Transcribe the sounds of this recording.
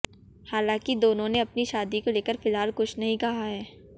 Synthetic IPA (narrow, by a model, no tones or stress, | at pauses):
haːlãːkid̪oːnõneɐpniʃaːd̪ikoleːkəɾfɪlaːlkʊt͡ʃʰnɐɦĩkɐɦaɦɛː